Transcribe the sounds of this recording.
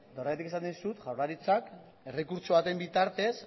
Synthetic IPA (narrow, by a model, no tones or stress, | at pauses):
d̪oraet̪ikesanisut̪ʝawraɾit͡sak | e̞rekuɾt͡ʃo̞βat̪e̞mbit̪aɾt̪e̞s